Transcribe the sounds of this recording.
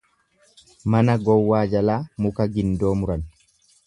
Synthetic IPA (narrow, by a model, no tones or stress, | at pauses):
mɐnɐɡɔwːaːd͡ʒɐlaːmʊkɐɡɪnd̪o̞ːmʊɾɐn